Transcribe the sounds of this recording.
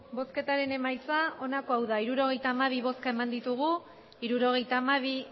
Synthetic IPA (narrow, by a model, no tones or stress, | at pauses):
bo̞ske̞t̪aɾe̞ne̞majt͡sao̞nako̞awðaiɾuɾo̞ɣ̞e̞jt̪aːmaβ̞iβ̞o̞skae̞mand̪it̪uɣ̞u | iɾuɾo̞ɣ̞e̞jt̪aːmaβ̞i